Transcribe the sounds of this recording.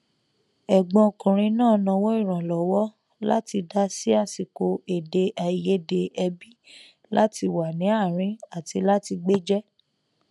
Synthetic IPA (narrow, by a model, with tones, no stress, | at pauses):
ɛ˨ɡ͡bɔ̃˧o˨kũ˨ɾ̃ĩ˧nãː˦˨nɔ̃˧wɔ˦i˦˨ɾ̃ã˨lɔ˨wɔ˦ | la̰˦ti˧da˦si˦a˦˨si˨ko˨˧e˨de˧ʔa˨i˨je˨˦de˧ɛ˧bi˦ | la˦ti˧wa˨nĩ˨˦a˦˨ɾ̃ĩ˦a˦˨ti˧la˦ti˧ɡ͡be˦d͡ʒɛ˦